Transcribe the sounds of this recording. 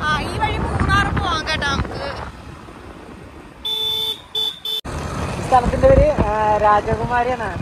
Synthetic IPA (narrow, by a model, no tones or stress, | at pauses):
aːiːʋɐɻimuːnaːrɐmɐʋaːŋɡeːʈːaːŋɨ | st̪ʰɐlɐt̪ːindeʋɐɾeɾaːd͡ʑɐɡumaːɾjanaːɳɨ